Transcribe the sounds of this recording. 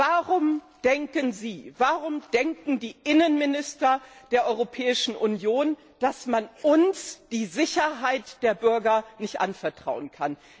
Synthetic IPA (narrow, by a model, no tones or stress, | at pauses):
vaʁʊm | d̥ɛŋkənziːvaʁʊmd̥ɛŋkŋ̩diːʔɪnənmɪnɪstɐd̥eːɐʔɔʏʁopʰɛːɪʃn̩ʔʊnjoːn | d̥asmanʊnsd̥iːzɪçɐɦaɪtd̥eːɐbʏɐɡɐnɪçtʔa̰nfɛɐtʁ̥a̰ʊənkʰan